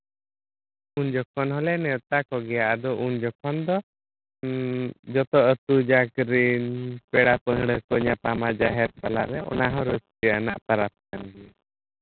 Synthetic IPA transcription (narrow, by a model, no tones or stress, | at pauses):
uɲd͡ʒɔkʰɔnɦɔlɛnɛt̪akɔɡɛjaʔad̪ɔʔuɲd͡ʒɔkʰɔnd̪ɔ | d͡ʒɔt̪ɔət̪ud͡ʒakɾinpɛɽapəɦɽəkɔɲap̪amad͡ʒaɦɛɾp̪alaɾɛʔɔ̰naɦɔ̃ɾət͡ʃpəjana̰ʔp̪aɾat̪̚kanɡi